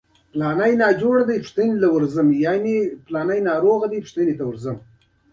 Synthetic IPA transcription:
plɑnajnɑd͡ʒoɽd̪apʂt̪ənelawʊɾzəmjɑneplɑnajnɑɾoɣad̪ipʃt̪ənet̪awʊɾzəm

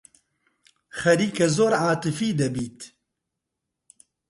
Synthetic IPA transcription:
xɐɾiːkɛzoːɾʕaːt̪ɨfiːd̪ɐbiːt̪

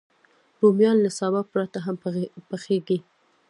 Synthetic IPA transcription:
ɾomjɑnlasabap̚pɾat̪aɦampəxeɡi

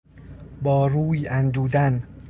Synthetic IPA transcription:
bɒːɾuːjænd̪uːd̪æn

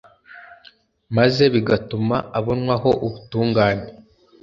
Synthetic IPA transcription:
maze̞βiɡatumaaβo̞nŋwaɦo̞ʔuβutuːŋɡaːne̞

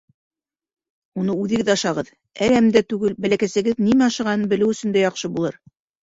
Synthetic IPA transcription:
unɤʉðɘ̆ɡɘðɑʃɑʁɤð | æɾæmd̪æt̪ʉɡɘlbælækæsɘ̆ɡɘðnimæɑʃɤ̆ʁɑnɤnbɘ̆lɘwɵ̆sɵ̆nd̪æjɑqʃɤbulˠɤɾ

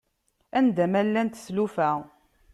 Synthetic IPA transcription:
ænd̪æmælːænt̪slufæ

